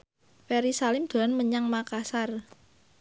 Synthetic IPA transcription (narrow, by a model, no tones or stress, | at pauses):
fɛɾisalɪmd̪̥o̤lanməɲaŋmakasar